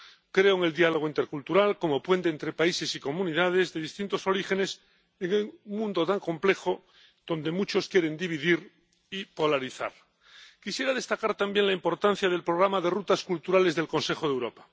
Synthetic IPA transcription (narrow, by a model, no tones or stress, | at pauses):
kɾe̞oŋe̞ld̪ialoɣ̞oint̪e̞ɾkult̪uɾalko̞mo̞pwe̞nt̪eːnt̪ɾe̞paise̞siko̞mũniðað̞e̞zðe̞ðist̪int̪o̞so̞ɾixe̞ne̞s | eŋemũnd̪o̞t̪aŋko̞mple̞xo̞ | ð̥o̞nd̪e̞mut͡ʃo̞skje̞ɾe̞nd̪iβ̞iðiɾ | ipo̞laɾiθa̰ɾ | kisje̞ɾaðe̞st̪akaɾt̪ambje̞ŋlaimpo̞ɾt̪an̟θjað̞e̞lpɾo̞ɣ̞ɾamaðe̞rut̪askult̪uɾale̞zðe̞lko̞nse̞xoðewɾo̞pḁ